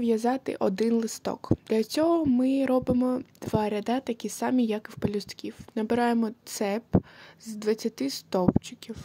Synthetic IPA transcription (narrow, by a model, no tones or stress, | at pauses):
ʋjɐzɑt̪ɪ̰ʔɔd̪ɪnlˠɪst̪ɔ̰kd̪̥lʲɐt͡sʲɔɦɔmɪɾɔbɪmɔd̪̥ʋɑɾʲɐd̪ɑt̪ɐkʲisɑmʲijɐkwpɔlʲʊst̪kʲiwnɐbɪɾɑjemɔtt̪sɛpzd̪ʋɐt͡sʲːɐt̪ɪst̪ɔpt͡ʃɪ̥kʲiw